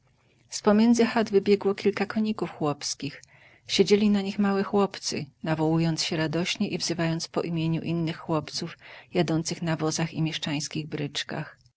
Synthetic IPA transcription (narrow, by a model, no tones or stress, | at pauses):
spɔmʲjɛnzɘxad̪vɘbʲjɛɡwɔkʲilkakɔɲikufxwɔpskʲix | ɕed͡ʑelʲinaɲixmawɛxwɔpt̪sɘ̰navɔwujɔnt̪sɕɛɾad̪ɔɕɲɛʔivzɘvajɔnt̪spɔ̰ʔimʲjeɲṵʔinːɘxːwɔpt̪sufjad̪ɔnt̪sɘxnavɔzaximʲjɛʂt͡ʂaj̃skʲiɣbɾɘt͡ʂka̰x